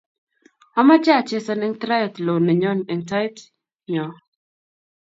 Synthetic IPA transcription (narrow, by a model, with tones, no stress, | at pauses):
a˦ma˦t͡ʃa˦a˨t͡ʃe˦sɔ˦nɪ˦ŋt̪ɾa˦jɔ˨t̪lo˨nɛ˨ɲɔ˦nɛ˨nta˦jt | ɲɔ˨